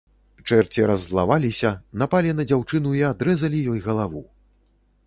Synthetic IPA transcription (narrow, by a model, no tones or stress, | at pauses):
t͡ʂɛrt͡sʲiɾɐzːlˠa̰valʲisʲɐnapalʲinɐd͡zʲawt͡ʂɨnuiad̪ɾɛzɐlʲijɔjɣɐlˠavu